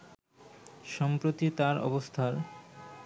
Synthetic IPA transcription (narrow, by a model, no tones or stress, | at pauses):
ʃɔmpɾot̪it̪aɾɔ̰bost̪ʰaɾ